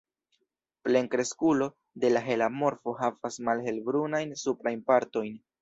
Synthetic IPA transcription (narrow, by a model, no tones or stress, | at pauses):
ple̞ŋkɾe̞skulo̞ | de̞laɦe̞lamo̞ɾfo̞ɦavasmalɦe̞lbɾunajnsupɾajnpaɾto̞jn